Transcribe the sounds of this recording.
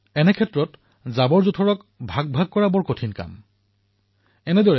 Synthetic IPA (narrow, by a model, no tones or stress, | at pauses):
ɛnɛkʰɛtɹɔt | zabɔɹzutʰɔɹɔk | bʱaɡ̚bʱaɡ̚kɔɹabɔɹkotʰinka̰m | ɛnɛdɔɹɛ